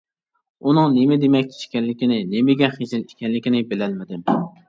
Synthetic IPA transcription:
unɨŋnemɪd̪emɛkʲt͡ʃ̪ʰe̥ʃkʲɛlːɪkʲinɪnemɪɡʲɛχezɪliʃkʲʰɛnlːɪkʲinɪbɪlɛlmɪd̪ɪm

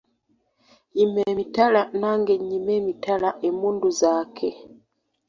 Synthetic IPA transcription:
imemitalanaŋɡeɲimemitalaʔemuːnduzaːkʰe

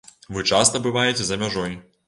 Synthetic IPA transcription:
vɨt͡ʂast̪ɐbɨvajɛt͡sʲɛzɐmʲaʐɔj

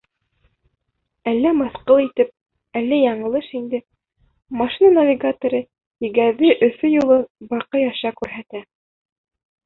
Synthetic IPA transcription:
ælːæmɑθqɤlˠit̪ɘp̚ | ælːæjɑɴɤ̆lˠɤʃind̪ɘ | mɑʃinanɐvʲiɡat̪ŏɾɤ | ĭɡæðɘʔɵ̆fɵjulˠɤbɑqɤjɑʃɑkʉɾɦæt̪æ

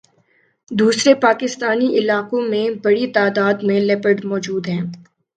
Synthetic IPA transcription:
d̪uːsɾepaːkɪst̪aːniʔɪlaːqõmẽbɐɽit̪aːd̪aːd̪mẽlɛːpəɖmɔːd͡ʒuːd̪ɦɛ̃ː

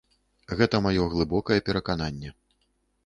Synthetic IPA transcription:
ɣɛt̪ɐmajɔɣlˠɨbɔkɐjɛpʲɛɾɐkananʲːɛ

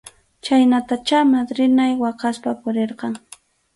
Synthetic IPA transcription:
t͡ʃajnat̪at͡ʃamad̪ɾɪnajwɑqɑspapʊɾeɾqɑŋ

